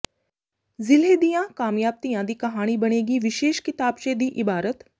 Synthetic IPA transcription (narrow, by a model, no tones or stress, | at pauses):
zɪleːd̪ijãkaːmjaːb̚t̪ijãd̪iːkɐɦaːɽ̃ibɐɽ̃eːɡiʋɪʃeːʃkɪt̪aːbʃed̪iːʔɪbaːɾət̪